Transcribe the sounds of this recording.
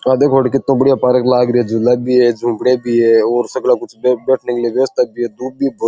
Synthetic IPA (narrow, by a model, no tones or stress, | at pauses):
ad̪eːkʰoːɽkɪt̪ːõːbəɽijaːpaɾəklaːɡɾɪeːd͡ʒɪlːaːbiːeːd͡ʒʱũːbɽeːbiːeːoːɾsəɡlaːkʊt͡ʃʰːbɛːʈʰneklieʋjʋst̪aːbiːeːd̪uːbiːbə